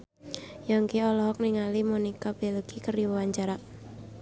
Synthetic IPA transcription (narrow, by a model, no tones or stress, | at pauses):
jaŋkeɔlɔɦɔk̚niŋalimonikab̥eləkikəriwəwaɲt͡ʃaɾa